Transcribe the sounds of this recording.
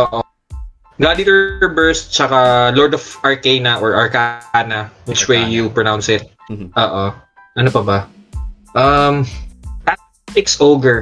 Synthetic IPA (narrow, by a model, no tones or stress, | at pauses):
ʔoʔo | ɡad̪it̪ɔɹbɛɹst̪̚t͡ʃɐkalɔɹd̪ɔfʔɐɹkejnɐʔɔɹʔɐɹkanɐwɪt͡ʃwejjupɹɔnaw̃nsɪt̪̚ | ʔoːʔo | ʔɐnopɐbɐ | ʔɐmt̪a | t̪ɪksʔowɡɛɹ